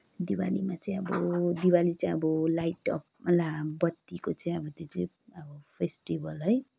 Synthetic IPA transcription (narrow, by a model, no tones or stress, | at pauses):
d̪iwa̰limat͡saĩʌbʌd̪iwalit͡saĩʌbʌlajʈʌplabʌt̪ːikot͡sʌĩʌbʌt̪ot͡saĩ | ʌbʌpʰesʈibʌlɦʌj